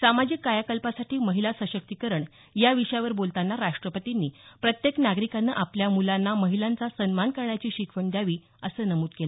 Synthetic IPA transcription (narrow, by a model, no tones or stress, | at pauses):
samad͡ʑikkːajakəlpasaʈiːməɦilasəɕək̚t̪ikəɾəɳ | jaʋiʂəjaʋəɾbolt̪anːaɾaʂʈɾəpət̪inːiːpɾət̪jeknaɡɾikanːəʔapljamulanːaməɦilant͡sasənmankəɾɳjat͡ɕiːɕikʰʋəɳd̪jaʋiː | əsəːnəmuːt̪kela